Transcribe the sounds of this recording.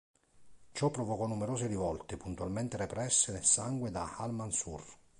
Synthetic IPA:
t͡ʃɔpːɾɔvɔkɔnːumeɾoːseɾivɔlt̪epunt̪ualmɛnt̪ɪɾepɾɛsːenelsaŋɡwed̪ahalmansur

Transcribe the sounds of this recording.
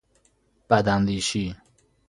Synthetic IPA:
b̥ad̪and̪iːʃi

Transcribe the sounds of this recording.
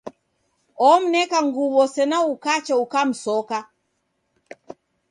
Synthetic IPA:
ɔm̩nɛkaŋɡuβɔsɛnaukat͡ʃaukam̩sɔka

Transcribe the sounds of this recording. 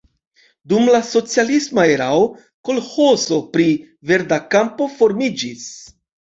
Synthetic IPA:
dumlaso̞t͡sialismaeɾao | ko̞lhoso̞pɾi | ve̞ɾdakampo̞fo̞ɾmid͡ʒis

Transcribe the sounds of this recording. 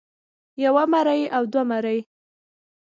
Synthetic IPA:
jawamaɾəjawd̪wamaɾəj

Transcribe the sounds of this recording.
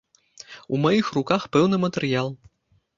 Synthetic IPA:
ṵmajixrukaxpɛwnɨmɐt̪ɛrjalˠ

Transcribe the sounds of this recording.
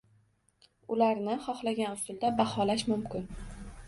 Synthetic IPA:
ʊlaɾnɪχɒχlaɡʲanʊsʊlˠd̪abahɒlaʃmʊmkʲɪn

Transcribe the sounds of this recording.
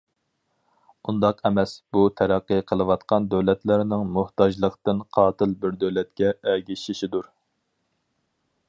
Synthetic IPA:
und̪ɑqʰɛmɛsb̥ut̪ʰæɾæqːɨqʰəlˠɨwɑt̪qɑnd̪øwlɛt̪læɾnɪŋmʊht̪ɑd͡ʒlˠəqt̪ɨnqʰɑːt̪ʰɨlbɪɾd̪øwlɛt̪̚kʲɛɛɡʲiʃiʃid̪uɾ

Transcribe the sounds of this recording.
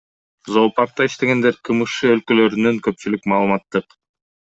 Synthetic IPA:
zo̞ːpɑɾt̪ːɑiʃt̪e̞ɡe̞nd̪e̞ɾkʰɯmɯʃɯølkølø̞ɾynyŋkø̞p̚t͡ʃylykmɑːlˠɯmɑt̪ːɯq

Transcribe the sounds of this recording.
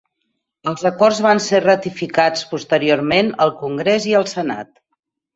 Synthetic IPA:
əlˠzəkɔrzβanserət̪ifikat͡spust̪əɾiormenəlˠkuŋɡɾeziəlˠsəna̰t̪

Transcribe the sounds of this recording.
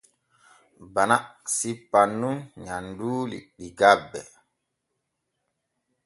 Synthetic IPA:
banasipːanːuɲanduːlḭɗiɡabːɛ̰

